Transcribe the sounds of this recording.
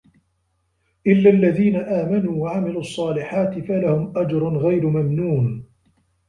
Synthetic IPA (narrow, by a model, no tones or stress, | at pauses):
ʔɪlːalːaðiːnaʔaːmanuːwaʕamɪluːʔɑsˤːɑːlɪħaːt̪ɪfalahʊmʔad͡ʒɾˤʊnɣajɾʊmamnuːn